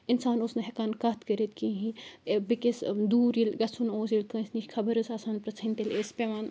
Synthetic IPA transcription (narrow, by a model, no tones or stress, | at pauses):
insaːnosnɐɦekaːnkaːt̪kəɾet̪̚kĩɦĩbikesd̪uːɾilɡɐt͡sʰunoːsilt̪ɐ̃snikʲkʰɐbɐɾɨsaːsaːnpɾɐt͡sʰɐnt̪eleːspʲeʋaːn